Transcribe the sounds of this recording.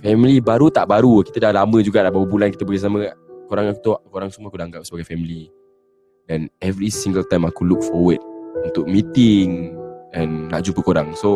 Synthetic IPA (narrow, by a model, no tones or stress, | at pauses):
fɛmilibaɾut̪aʔbaɾukit̪ədalamə̃d͡ʒuɡaʔdabawəbulankit̪əbəɡas̬amə̃koɾaŋaku̥t̪oʔkoɾaŋsumuakudaaŋɡap̚səbaɡajfɛmili | danɛvɾisiŋɡəlt̪ãjmakuluk̚fɔwəd̚unt̪ʊk̚mĩt̪ɪŋɛ̃nːa̰ʔd͡ʒupəkoɾaŋso